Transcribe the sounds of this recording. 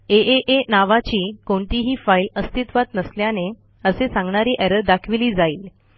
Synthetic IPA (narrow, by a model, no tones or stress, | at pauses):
eʔeʔenaʋat͡ɕiːkoɳʈiɦiːfailəst̪it̪ʋat̪nəsljane | əsesãŋɡɳaɾiːʔɛɾəɾd̪akʰʋiliːd͡zaiːl